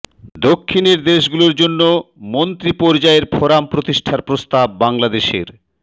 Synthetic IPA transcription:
d̪okʰːineɾd̪eʃɡuloɾd͡ʑonːomont̪ɾipɔɾd͡ʑaeɾpʰɔɾampɾot̪iʃʈʰaɾpɾost̪ab̚ːaŋlad̪eʃḛɾ

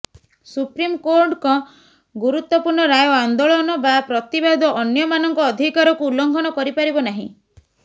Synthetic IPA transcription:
supɾimkoɾʈkɔ̃ | ɡuɾut̪wɔpuɾɳɔɾajɔand̪oɭɔnɔbapɾɔt̪ibad̪ɔʔɔnjɔmanɔŋkɔːd̪ʱikaɾɔkuːlɔŋɡʱɔnɔkɔɾipaɾibɔnaɦḭ̃

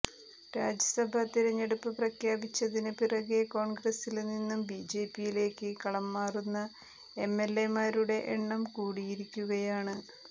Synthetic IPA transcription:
ɾaːd͡ʑɐsɐbʱɐt̪iɾɐɲːe̞ɽupːɨprɐkʰjaːbit͡ɕːɐðinɨpirɐɣeko̞ːɳɡrɐsilninːumbid͡ʑe̞ːpːijile̞ːkːɨkɐɭɐmːaːrunːɐ | e̞mːe̞lːe̞maːɾuɽe̞ʔeɳːɐmkuːɽijiɾikʲːuɣɐjaːɳɨ

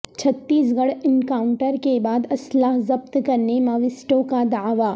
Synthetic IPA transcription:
t͡ʃʰɐt̪ːiːsɡɐɽɪnkaːʊ̃ɳʈəɾkebaːd̪ɐslaːɦzɐb̚t̪kɐɾnemaʋɪsʈõkad̪aːʋaː

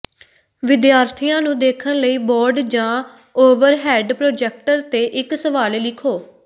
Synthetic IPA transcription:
ʋɪd̪jaːɾt̪ʰiːjãːnũːd̪eːkʰənləiːboːɾɖd͡ʒãː | oːʋəɾɦɛːɖpɾoːd͡ʒɛːk̚ʈəɾt̪eːʔɪksəʋaːleːlɪkʰoː

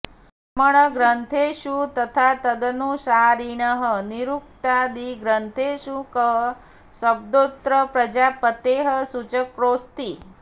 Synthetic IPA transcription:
məɳ̃əɡɾənt̪ʰeʃut̪ət̪ʰat̪əd̪ənuʃaɾiɳəɦəniɾuk̚t̪ad̪iɡɾənt̪ʰeʃukəɦ | səb̚d̪ot̪ɾəpɾəd͡ʒapət̪eɦəsut͡ʃəkɾost̪i

